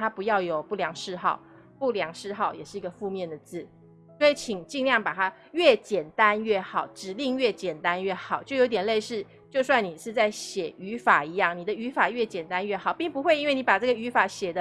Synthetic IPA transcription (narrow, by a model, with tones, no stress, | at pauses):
t̪ʰa˥pu˧˥jɑ˥˩ʊjo˨˩ʊpu˥˩ljɑ˧˥ŋʂɻ̩˥˧xɑ˥˩ʊ | pu˥˩ljɑ˧˥ŋʂɻ̩˥˧xɑ˥˩ʊjɛ̰˨˩ʂɻ̩˥˩i˧˥ɡə˧fu˥˧mjɛ˥˩nd̪ə˩t͡sɹ̩˥˩ | swɔ˧˥i˨˩˦t͡ɕʰi˨˩ŋt͡ɕi˥˧ŋljɑ˥˩ŋpa˨˩t̪ʰa˥ | ɥɛ˥˩t͡ɕjɛ˨˩nt̪a˦nɥɛ˥˩xɑ˨˩˦ʊʈ͡ʂɻ̩˨˩li˥˧ŋɥɛ˥˩t͡ɕjɛ˨˩nt̪a˦nɥɛ˥˩xɑ˨˩˦ʊt͡ɕjʊjo˧˥t̪jɛ˨˩le˥˧ɪʂɻ̩˥˧ | t͡ɕjo˥˧ʊswa˥˩ni˨˩ʂɻ̩˥˧t͡sa˥˩ɪɕjɛ˨˩y˧˥fa˨˩i˧˥jɑ˥˩ŋni˨˩d̪ə˦y˧˥fa˨˩ɥɛ˥˩t͡ɕjɛ˨˩nt̪a˦nɥɛ˥˩xɑ˨˩ʊpi˥˩ŋpu˧xwe˥˩ɪi˥nwe˥˩ni˧˥pa˨˩ʈ͡ʂɤ˥˩ɡə˩y˧˥fa˨˩ɕjɛ˨˩d̪ə˦